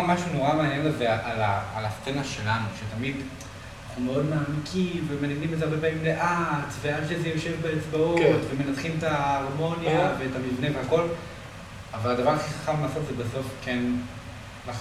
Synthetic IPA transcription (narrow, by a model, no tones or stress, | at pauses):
maʃunoʁamaːnjenlezeaʔalaalast͡senaʃe̞lanuʃetamid | anaχnumeo̞dmaːmikʰimvemenaɡnimezeaɐʁbepaimleʔat͡sveadʃezejeʃevbeet͡sbautveme̞nat̪χimetaoʁmo̞njaveːtamivneveako̞l | avaladavaʁaχiχḁχamlelaːsotzebaso̞fken | laχ